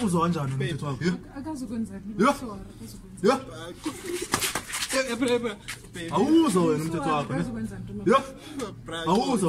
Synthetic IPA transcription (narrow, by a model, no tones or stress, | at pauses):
uzɔwand͡ʒʱanɔnom̩tʰɛtʰɔwakɔjɔ | jɔ | jɔ | awuzajɔnom̩tʰɛtʰɔwakʰɔnɛjɔ | awuzɔ